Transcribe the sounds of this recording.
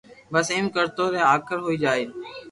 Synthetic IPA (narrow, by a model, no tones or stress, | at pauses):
bəsɪːmkəɾt̪oːɾẽːaːkʰəɾɦoːiːd͡ʒaːeː